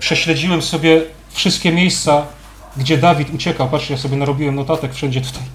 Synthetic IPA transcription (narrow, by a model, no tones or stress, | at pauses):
pʂɛɕlɛd͡ʑiwɛmsɔbʲjɛ | fʂɘst̪̚kʲɛmʲjejst̪sa | ɡd͡ʑɛd̪avʲit̪ut͡ɕɛkawpat̪ʂɛjasɔbʲjɛnaɾɔbʲiwɛmnɔt̪at̪ɛkfʂɛɲd͡ʑɛt̪u̥t̪ʰaj